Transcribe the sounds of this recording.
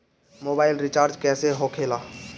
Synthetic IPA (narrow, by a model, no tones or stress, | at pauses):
moːbaːɪlɾɪt͡ʃaːɾd͡ʒkɛːseɦokʰeːlaː